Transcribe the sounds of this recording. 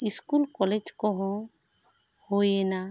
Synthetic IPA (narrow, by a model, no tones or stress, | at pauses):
iskulkɔled͡ʒkɔɦɔ̃ | hojena